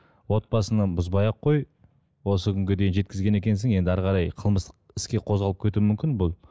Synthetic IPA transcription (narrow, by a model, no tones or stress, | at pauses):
wo̞t̪̚bɑsənɑbʊzbɑjɑqʰːo̞j | wo̞səkʲʰʏŋɡʲɪd̪e̞jnʒe̞t̪̚kʲɪzɡʲe̞ne̞kʲe̞ns̬ɪŋe̞nd̪ɪæɾʁɑɾɑjqʰəlˠməst̪ə̥qɪskʲe̞qʰo̞zʁɑlˠəp̚kʲʰet̪umʏmkʲɪnbʊlˠ